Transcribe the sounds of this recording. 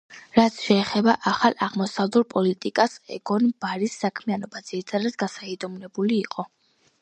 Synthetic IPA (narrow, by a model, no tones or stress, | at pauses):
ɾat̪sʰʃɛːχɛbaʔaχalˠaʁmɔsavluɾpʼɔlit̪ʼikʼasɛ̰ɡɔnbaɾisːakʰmianɔbad̪z̥iɾit̪ʰad̪ad̪ɡasaid̪ɔmnɛbuliːqʼɔ